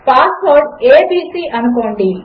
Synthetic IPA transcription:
paːsʋoːɾɖeːbiːsiːʔɐnukoːɳɖi

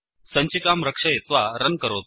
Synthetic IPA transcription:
sə̃ɲt͡ɕikamɾəkʂəjet̪ʋaɾənkəɾot̪̚

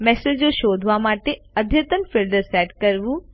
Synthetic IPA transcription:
mɛsed͡ʒoʃoːd̪ʱʋamaːʈe | əd̪ʱjət̪ənfilɖəɾsɛːʈkɐɾʋũ

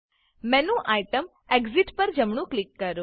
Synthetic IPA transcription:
mɛ̃nũʔajʈəm | eɡziʈpəɾd͡ʒəmɳ̃ũklikːəɾũ

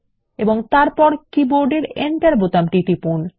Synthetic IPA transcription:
eboŋt̪aɾpɔɾkiboɾɖeɾḛɳʈaɾbot̪amʈiʈipun

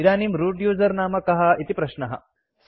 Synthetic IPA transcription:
iɾaːnimɾuːɖjuːzɐɾnaːmɐkɐɦɐit̪ipɾɐʃɳɐɦɐ̰

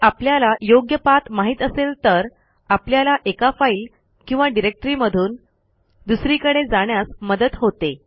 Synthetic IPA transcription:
apljalajoɡjəpat̪maɦiːt̪əselt̪əɾ | apljalaʔekafail | kĩw̃ʋaɖiɾek̚ʈɾiːməd̪ʱuːn | d̪usɾiːkəɽed͡zaɳ̃jasməd̪ət̪ɦot̪e

